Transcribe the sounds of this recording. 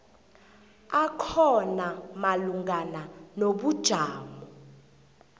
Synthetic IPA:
akʰɔnamaluŋɡananoɓud̥ʒ̥ʱaːmɔ

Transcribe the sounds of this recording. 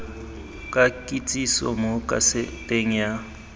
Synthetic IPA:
kʼakʼit͡sʼisɔ̰mokʼa̰sɪtʼeŋ̩ja

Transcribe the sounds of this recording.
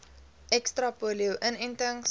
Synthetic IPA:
ʔɛkstrɐpuliəwʔənɛntəŋ

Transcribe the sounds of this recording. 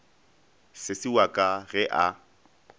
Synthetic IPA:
sɪsɪwakʼaɣɛʔa

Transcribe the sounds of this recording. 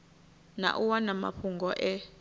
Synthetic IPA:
na̰ʔuwanama̰ɸʰuŋɡɔʔɛ

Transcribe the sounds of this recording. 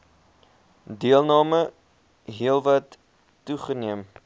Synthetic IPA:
diəlˠnɑːmə | ɦiəlˠvɐtː | uχəniəm

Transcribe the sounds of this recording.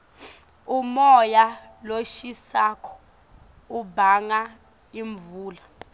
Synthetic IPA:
umɔja | loʃisaːkʰɔ̥ | ubʱaŋa | iɱvuːla

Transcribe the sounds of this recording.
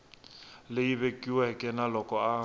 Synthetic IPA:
leiβekʼiwɛkʼɛnalɔkʼɔa

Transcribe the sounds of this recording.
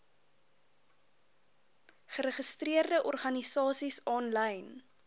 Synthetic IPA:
χəɾəχəstriərdəʔɔrχɐnisɑːsisɔnləjn

